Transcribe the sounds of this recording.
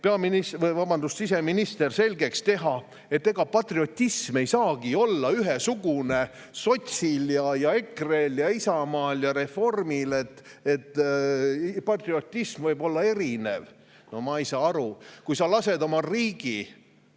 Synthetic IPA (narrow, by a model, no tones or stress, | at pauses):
peɑminisvɤjvɑbɑnd̪usis̬e̞minist̪e̞rse̞lʲɡe̞kst̪e̞ɦɑ | et̪ːe̞ɡ̥ɑpɑt̪rio̞t̪ʲːisme̞jsɑːɡ̥io̞lːɑyɦesuɡ̥une̞ | so̞t̪ʲsiljɑjɑe̞kreljɑisɑmɑːljɑɾe̞fo̞rmile̞t̪ːet̪ːˑ | pɑt̪rio̞t̪ʲːismvɤjbo̞lːɑe̞ɾine̞̰v | nomɑjsɑːɑɾukujsɑlɑse̞d̪o̞mɑriːɡ̥i